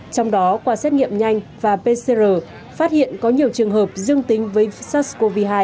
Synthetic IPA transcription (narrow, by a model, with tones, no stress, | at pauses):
t͡ɕɔ˧wŋ͡mɗɔ˨˦kwaː˧sɛ˦˥t̚ŋḭ˧˨əmɲa˧jŋ̟vaː˨˩pe˧se˧zəː˨˩ | faː˦˥t̚hḭ˧˨ənkɔ˨˦ɲi˨˩əwt͡ɕɨ˨˩əŋɦəː˨˩p̚zɨ˧əŋt̪ï˨˦ŋ̟vəː˨˦jsaː˦˥tsko˧vi˧ɦaː˧j